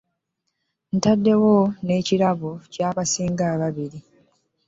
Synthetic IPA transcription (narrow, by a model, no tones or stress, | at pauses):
n̩tadːe̞wo̞ne̞ːciɾaβocaːβasiːŋɡaːβaβiɾi